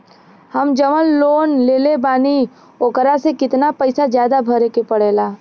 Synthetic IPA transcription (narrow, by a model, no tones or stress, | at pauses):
hɐmd͡ʒəʋəlːoːnleːlebaːni | oːkəɾasekɪt̪napəɪsazjaːd̪abʱəɾekepɐɽeːlaː